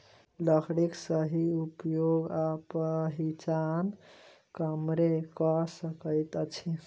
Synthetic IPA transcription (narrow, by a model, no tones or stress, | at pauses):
ləkʰɽiksəɦiupjoɡapəɦit͡ʃan | kəmɾekɔsəkəɪt̪t͡ʃʰi